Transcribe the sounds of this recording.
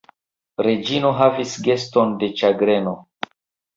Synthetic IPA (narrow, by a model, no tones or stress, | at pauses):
ɾe̞d͡ʒino̞ɦavisɡe̞sto̞nde̞t͡ʃaɡɾe̞no̞